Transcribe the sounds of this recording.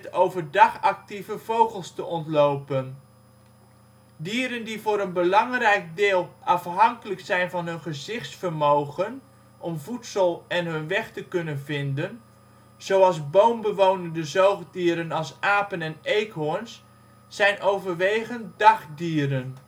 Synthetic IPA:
towvəɹdɑχɑk̚tivəv̥owχəlˠstəʔɔntlowpən | diːəɾəndivʊːɾənbəlɑŋrɛjk̚dɪːlˠʔɑfɦɑŋkələksɛjnvɑnɦɵnχəzɪχtsfəɹmowχən | ʔɔmvutsəlˠɛnɦɵnʋɛχtəkɵnənvɪndən | z̥owɑlˠzbowmbəʋownəndəzowχdiːɾənɑlˠsaːpənɛnejkɦʊɹns | sɛjnʔowvəɹʋejχəndɑχdiːɾən

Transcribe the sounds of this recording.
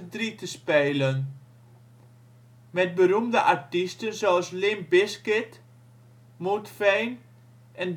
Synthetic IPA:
dritəspɛjlən | mɛt̚bəɾumdəʔaɹtistənsoəslɪmbɪskɪt | mutfɛjn | ɛn

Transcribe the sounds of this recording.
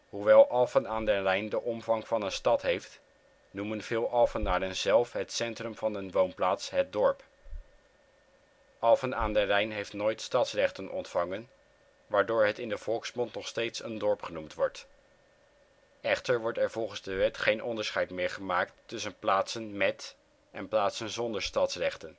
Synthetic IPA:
ɦuʋɛlˠʔɑlˠfənaːndɛrɛjndəʔɔmvɑŋvɑnənstɑtɦejft | numənv̥ɪːlˠʔɑlˠfənaːdənzɛlˠfɦətsɛntrɵmvɑnənʋownplaːtsɦət̚dɔɹp | ʔɑlˠfənaːndɛrɛjnɦejftnoːjtstɑtsrɛχtənʔɔ̰ntfɑŋən | ʋaːɹdʊːɹɦətɪndəv̥ɔlˠksmɔntnɔχstejtsəndɔɹpχənumtʋɔɹt | ɛχtəɹʋɔɹtɛɹv̥ɔlˠχənzdəʋɛtχejnʔɔndəɹsχɛjtmɪːɹχəmaːktːɵsənplaːtsənmɛt | ʔɛnplaːtsənzɔndəɹstɑtsrɛχtən

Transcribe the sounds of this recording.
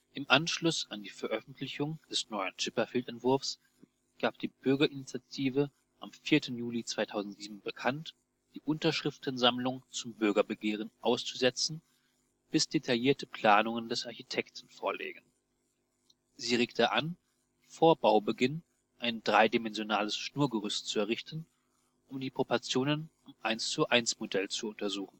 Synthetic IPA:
ʔɪmʔanʃlʊsandiːfɛɐʔœfn̩tʰlɪçʊŋd̥ɛsnɔʏəntɪpɐfiːltɛntv̥ʊɐfs | ɡ̥aːp̚d̥iːb̥ʏɐɡɐʔɪnit͡sjatʰiːvə | ʔamfiːɐtʰn̩juːlit͡sv̥aɪtʰaʊzn̩tz̥iːbm̩bəkʰant | d̥iːʔʊntɐʃʁ̥ɪftnzamlʊŋt͡sʊmbʏɐɡɐbəɡeːʁ̞ənʔaʊst͡suzɛt͡sn̩ | b̥ɪsd̥etʰaljiːɐtəpl̥aːnʊŋəndɛsʔaɐçitʰɛktn̩foːɐlḛːɡən̩ | ziːʁeːktʰəʔan | foːɐbaʊbəɡɪn | ʔaɪndʁaɪdimɛnzjonaːləsʃnuːɐɡəʁʏstt͡suɛɐʁɪçtən̩ | ʔʊmdiːpʁ̥opɔɐt͡sjoːnən | ʊmʔaɪnst͡suʔaɪnsmodɛlt͡suʊntɐzuːxn̩

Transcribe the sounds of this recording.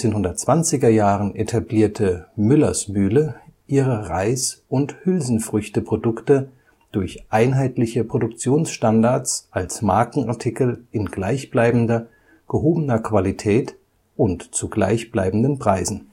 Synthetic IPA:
eːnɦʊndɐt̚t͡sv̥ant͡sɪɡɐjaːʁənʔetʰabliːɐtʰəmʏlɐsbyːləʔiːʁəʁaɪsʊnthʏlzn̩fʁ̥ʏçtəpʁ̥odʊktə | d̥ʊɐçʔaɪnɦaɪtlɪçəpʁ̥odʊk̚t͡sjoːnsʃtandaɐt͡sʔalsmaɐkŋ̩aɐtʰikl̩ʔɪnɡlaɪçb̥laɪbm̩dɐ | ɡ̥əhoːbənɐkv̥alitʰɛːt | ʔʊntt͡suɡla̰ɪçb̥la̰ɪbm̩dənpʁ̥aɪzn̩

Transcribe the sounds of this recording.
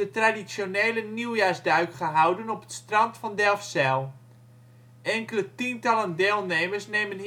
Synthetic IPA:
ətradisjoneːləniwjaːsdœɥkχəɦawdənɔpə̥tstrɑntfɔndɛlˠfsɛlˠ | ʔɛŋkələtintɑlˠəndeːlˠnemərsnemən

